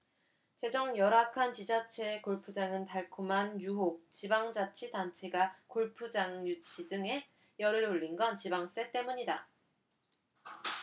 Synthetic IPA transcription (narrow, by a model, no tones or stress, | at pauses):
t͡ɕe̞d͡ʑʌŋjʌɾakʰant͡ɕid͡ʑat͡ɕʰe̞koɭpʰud͡ʑaŋɯntaɭkʰomanjuɦok̚t͡ɕibaŋd͡ʑat͡ɕʰidant͡ɕʰe̞ɡakoɭpʰud͡ʑaŋjut͡ɕʰidɯŋe̞ | jʌɾɯɭoɭːinɡʌnt͡ɕibaŋs͈e̞t͈e̞muɲida